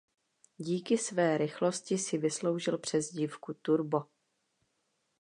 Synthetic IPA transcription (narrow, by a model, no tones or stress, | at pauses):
ɟiːkɪsvɛːɾɪxlo̞scɪsɪvɪslo̞wʒɪlpr̝̥ɛzɟiːfkut̪uɾbo̞